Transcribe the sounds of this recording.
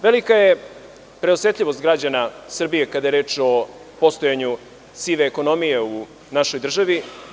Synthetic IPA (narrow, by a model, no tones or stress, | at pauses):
ʋe̞likaje̞ | pɾe̞osʋʲet̪ʎʲiʋo̞st̪̚ɡɾad͡ʑanasr̩bijekad̪aje̞ɾeːt͡ʃo̞ | po̞st̪o̞jaɲu | siʋeːko̞no̞mijeu | naʃo̞jd̪r̩ʒaʋi